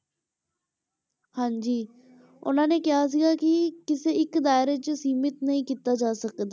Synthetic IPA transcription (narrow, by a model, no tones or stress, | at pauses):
hãːɲd͡ʒiː | ʊ̰nãːneːkɪɦaːs̬ɪɡaːkɪkɪseːɪkd̪aːɪɾeːt͡ʃəsiːmɪt̪nəɦĩːkiːt̪aːd͡ʒaːsəkd̪aː